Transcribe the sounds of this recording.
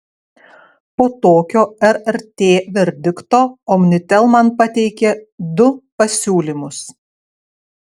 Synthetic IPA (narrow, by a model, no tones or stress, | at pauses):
poːt̪oːkʲoːɛɾɛɾʲt̪ʲeːʋʲɛɾʲd̪ʲɪkt̪oːɔmʲnʲɪt̪ʲɛlˠmɐnpɐt̪ʲɛɪkʲed̪ʊpɐsʲuːlʲimʊs